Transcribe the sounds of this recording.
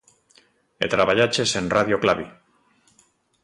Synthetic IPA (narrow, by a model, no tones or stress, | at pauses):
ḛt̪ɾaβaʎat͡ʃe̞se̞nraðjoklaβi